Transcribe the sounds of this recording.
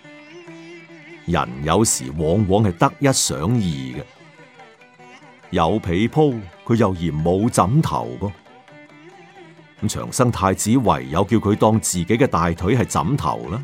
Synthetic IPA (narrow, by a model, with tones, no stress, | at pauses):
jɐ̰˨˩njɐ˨˧wsḭː˨˩wɔː˨˧˥ŋwɔː˨˧ŋhɐ˨jt̪ɐ˥k̚jɐ˥t̚sœ̰ː˨˥ŋjiː˨˩ɡɐ˧ | jɐ˨˧wpʰe˨˧jpʰo˥wkʰɵ˨˧ɥjɐ˨wjiː˨˩nmo˨˧wt͡sɐ˨˥mt̪ʰɐ̰˨˩wkɔː˧ | m̩˨˥t͡ʃʰœ̰ː˨˩ŋsɐ˥ŋt̪ʰaː˧jt͡siː˨˥wɐ̰˨˩jjɐ˨˧wkiː˧wkʰɵ˨˧ɥt̪ɔː˧ŋt͡siː˨ke˨˥jkɛ˧t̪aː˨jt̪ʰɵ˨˥ɥɦɐ˨jt͡sɐ̰˨˥mt̪ʰɐ̰˨˩wlɐː˥